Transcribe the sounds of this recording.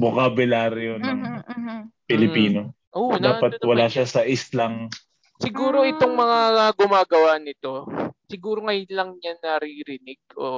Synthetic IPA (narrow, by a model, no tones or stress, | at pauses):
bokabɪlaːɾjonɐŋ | pɪlɪpiːno̞ | ʔod̪aːpɐt̪̚wɐlaːʃasɐʔɪst̪laŋ | sɪɡuːɾo̞ʔɪt̪o̞ŋmɐŋaɡʊmaːɡɐwanɪt̪o̞sɪɡuːɾo̞ŋɐj̪lɐŋɲanɐɾiɾɪnɪɡ̚o̰ː